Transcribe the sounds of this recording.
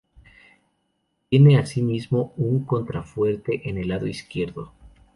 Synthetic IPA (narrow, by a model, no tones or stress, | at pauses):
t̪je̞ne̞asimizmouŋko̞nt̪ɾafwe̞ɾt̪e̞ʔene̞laðo̞iskje̞ɾðo